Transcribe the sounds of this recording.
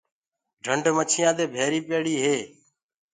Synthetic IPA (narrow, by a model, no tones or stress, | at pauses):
ɖʱəɳɖmət͡ʃʰɪjãːt̪eːbʱeːɾiːpeːɽiːɦeː